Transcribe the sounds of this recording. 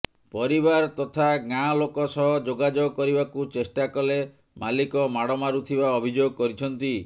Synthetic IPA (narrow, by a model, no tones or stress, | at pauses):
pɔɾibaɾt̪ɔt̪ʰaɡalokɔsɔɦɔd͡ʒoɡad͡ʒɔɡɔkɔɾibakut͡ʃesʈakɔle | malikɔmaɽɔmaɾut̪ʰibaɔbʱid͡ʒoɡɔkɔɾit͡ʃʰɔnt̪i